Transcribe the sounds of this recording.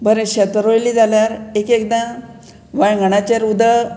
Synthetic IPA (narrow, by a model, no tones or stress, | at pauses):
bʱəɾẽɕət̪əɾojliːd͡zʱaljaɾekek̚d̪ã | ʋajɡʱəɽ̃at͡ɕeɾud̪ə